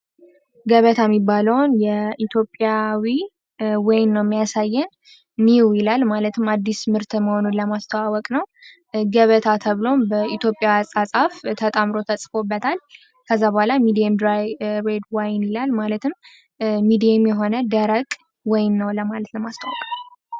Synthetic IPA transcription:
ɡəβət̪ʰamːibːaləwnjɛʔit̪ʰjo̞pʼjawi | wajnːəwmːijasajːɛnː | iwjɪlalmalət̪ʰɨmːad̪ːismɨɾt̪ʰɨməho̞nunləmast̪ʰəwawɔkʼnəw | ɡəβət̪ʰat̪ʰəβɨlo̞mbəit̪ʰjopʼːjaasʼasʼaft̪ʰət̪ʼəmɾo̞t̪ʰəsʼfo̞bːət̪ʰal | kʰəzːabəhalamid̪iɛmd̪ɾajɾed̪wajnilalmalət̪ʰɨm | mid̪ijemjɛɦo̞nəd̪əɾəkʼ | wɔjnːəwləmalət̪ləmast̪ʰawɔkʼn

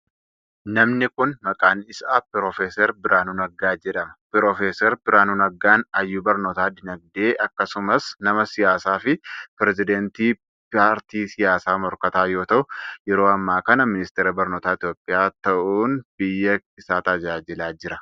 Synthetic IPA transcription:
nɐmnɪkʊnmɐkʼaːnɪsaːpɪɾoːfeːsɛɾbɪɾʔaːnuːnɐɡːaːd͡ʒɛᶑɐmɐ̥pɪɾoːfeːsɛɾbɪɾaːnunɐɡːaːnɐjːuːbɐɾnoːt̪aːd̪ɪnɐɡ̚d̪e̞ːʔɐkːɐsʊmɐsnɐmɐsɪjaːsaːfɪpɪɾɛzɪd̪ɛnt̪iː | paːɾt̪iːsɪjaːsaːmɔɾkɐt̪aːjo̞ːt̪ɐʔʊjɛɾoːɐmːaːkɐnɐmɪnɪst̪eːɾɐbɐɾnoːt̪aːɪt̪jo̞ːpʼːɪjaːt̪ɐʔuːnb̥ɪjːɐɪsaːt̪ɐd͡ʒaːd͡ʒɪlaːd͡ʒɪɾɐ

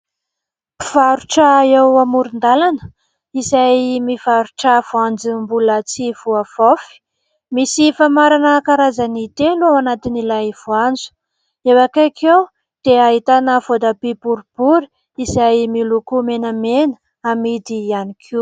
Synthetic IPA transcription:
vaɾuʈ͡ʂaewamuɾind̪alanə̥ | isajmifaɾuʈ͡ʂav̥uand͡zimbulət͡sivuav̥ofi̥ | misifamaɾanəkaɾazanit̪eluawanat̪inilaiv̥uand͡zu̥ | ewakakʰew | d̪̥eaɦit̪anəvod̪apibuɾib̥uɾi | isajmilukumenəmenə̥ | amid̪ianikʰi

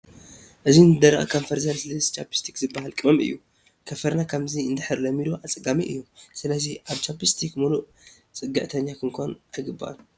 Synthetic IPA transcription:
ʔɨzinɨd̪ɐɾʔa̰kʰoɱfɐɾzɐnsɨlɐst͡ʃʰapi̥st̪ʰikzɨbːahalkʼɨmɐmɨ̰jːu | kʰɐfɐɾnakʰɐmziɨnd̪ɨħɨɾlɐmid̪oʔat͡sʼɨɡamiʔɨ̰jːusɨlɐziʔaβt͡ʃapist̪ʰikmuluʔ | t͡sʼɨɡɐʔt̪ʰɐɲːakʰɨŋkʰonʔajɡɨbːa̰ʔa̰n

